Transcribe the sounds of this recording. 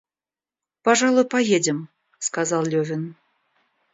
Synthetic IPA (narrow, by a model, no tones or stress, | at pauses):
paʐɑlˠʊjpajedʲɪm | skazɑlˠlʲovʲɪn